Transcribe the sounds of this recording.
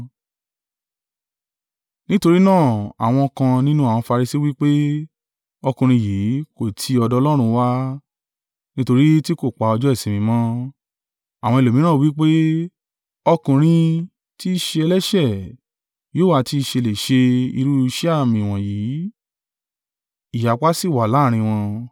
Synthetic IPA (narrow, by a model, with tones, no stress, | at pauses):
nĩ˦to˧ɾi˦nãː˦˨a̰˨w̃ɔ̃˧kã˧nĩ˦nũ˦a˨w̃ɔ̃˧fa˧ɾi˧si˦wi˦k͡pe˦ | ɔ˧kũ˨ɾ̃ĩ˧jiː˨˦ko˦˨tʰi˧ɔ˧dɔ˦˧lɔ˦ɾ̃ũ˧wa˦ | nĩ˦to˧ɾi˦ti˦ko˦˨k͡pa˨ɔ˧d͡ʒɔ˦i˦˨sĩ˨mĩ˧mɔ̃˦ | a˨w̃ɔ̃˧e˨lo˨mĩ˨˦ñãː˦˨˧wi˦k͡pe˦ | ɔ˧kũ˨ɾ̃ĩ˧ | ti˦˧ʃe˧ɛ˧lɛ˦ʃɛ˦˨ | joː˨˦˨wa˧˨ti˧ʃe˧le˨ʃe˧i˧ɾu˦˧ʃa˦˨mĩ˧˨w̃ɔ̃˨jiː˨˦ | i˨ja˨k͡pa˦si˦˨wa˨la˨˦˨ɾ̃ĩ˧w̃ɔ̃˧